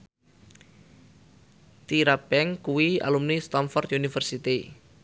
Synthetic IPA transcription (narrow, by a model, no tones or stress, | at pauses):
t̪iɾabɛŋkuwia̰lumnist̪ɔmfɔrt̪ʔunifərsit̪i